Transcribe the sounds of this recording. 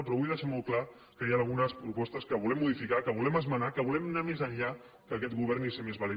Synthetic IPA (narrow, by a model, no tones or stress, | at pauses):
pɾɔβujðɛʃamɔlkla | kəjaːlˠɣ̞unəspɾupɔst̪əskəβulɛmːuðifikakəβulɛməzmənakəβulɛmnamezəɲʎa | kəːkɛt̪ɣuβɛrnisemezβale